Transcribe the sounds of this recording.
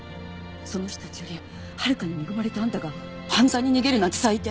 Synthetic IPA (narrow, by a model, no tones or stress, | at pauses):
so̞no̞çt̪o̥t̪at͡ɕi̥jo̞ɾʲi | haɾɯ̟kaɲ̟imeɡɯ̟maɾe̞t̪ãnt̪aɡa | pãnzaɲ̟ːiɲiɡe̞ɾɯ̟nat̪esait̪ːe